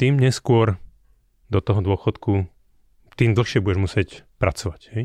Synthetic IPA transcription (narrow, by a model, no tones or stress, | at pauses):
t̪iːmɲɛskʊɔɾ | d̪ɔt̪ɔɦɔd̪ʊɔxɔt̪ku | t̪iːmd̪l̩xʃɪɛbuɟɛʒmusɪɛcpɾat͡sɔʋachɛj